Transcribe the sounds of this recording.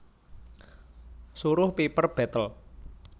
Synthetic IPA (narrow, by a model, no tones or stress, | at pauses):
suɾʊhpipərb̥ɛ̤t̪əl